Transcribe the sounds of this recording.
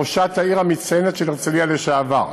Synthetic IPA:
oʃathaiʁamit͡sajenet̪ʃelet͡salialeʃaːva̰ʁ

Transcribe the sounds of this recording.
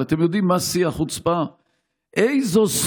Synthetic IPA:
at̪emjod̪imːasiaχut͡spa | ʔejzos

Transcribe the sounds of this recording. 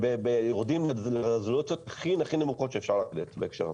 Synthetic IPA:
bebejoʁd̪imlezlaʁezolutt͡sjot̪aχinaχinemuχo̞t̪ʃeefʃaʁlad̪et̪beːkʃeʁa̰

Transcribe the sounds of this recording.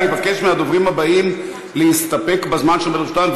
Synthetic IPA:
evakeʃmead̪ovʁimabaʔim | leist̪ape̞kbazmanʃelmelust̪anv

